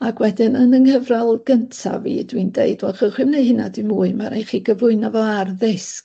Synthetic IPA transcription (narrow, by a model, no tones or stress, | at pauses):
aɡ̥wɛdɪnənəŋhəvralˠɡ̥əntʰa̰vḭdwindeɨdwɛlˠχɔχwɪmnejhɪna̰dimuːɨmaɾejχiːɡəvlˠʊɨnavɔarðɪsk